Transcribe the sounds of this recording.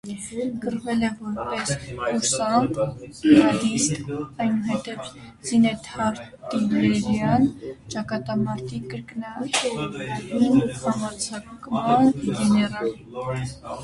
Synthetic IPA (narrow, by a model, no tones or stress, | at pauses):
kərvɛlɛvɔɾpɛsusɑn | ɑd̪ist̪ɑjnuɦɛt̪ɛv | z̥inɛt̪ʰɑɾ | t̪inɛɾɛɾjɑnt͡ʃɑkɑt̪ɑmɑɾt̪ikəɾkənɑ | imhɑmɑɾt͡sʰɑkmɑnɡɛnɛɾɑl